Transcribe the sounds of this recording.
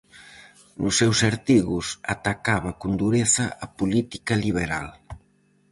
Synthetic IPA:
nusːɛwsaɾt̪iɣusat̪akaβɐkund̪uɾeθɐʔːpulit̪ikɐliβeɾa̰l

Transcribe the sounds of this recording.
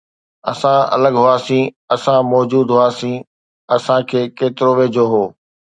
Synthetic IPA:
ɐsãɐ̰ləɡɦʊaːsĩ | ɐsãmɔːd͡ʑuːd̪ɦʊaːsĩ | ɐsãkʰeːkeːt̪ɪɾoʋeːd͡ʑoːɦoː

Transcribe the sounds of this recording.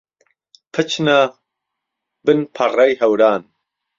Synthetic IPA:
pʰɨt͡ʃʰna | bɨnpʰɐrɐjhɐwɾaːn

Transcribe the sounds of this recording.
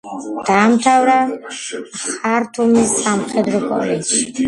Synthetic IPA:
d̪̥aːmt̪ʰavɾa | χaɾt̪ʰumisːamχɛd̪ɾɔkʼɔ̰lɛd͡ʒʃi̥

